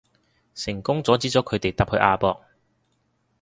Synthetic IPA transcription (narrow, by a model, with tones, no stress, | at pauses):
sɪ˨˩ŋkʊ˥ŋt͡sɔː˨˥t͡siː˥t͡sɔː˨˥kʰɵ˨˧ɥt̪e˨jt̪aɐː˨p̚hɵ˨˧ʔaː˧pɔː˧k̚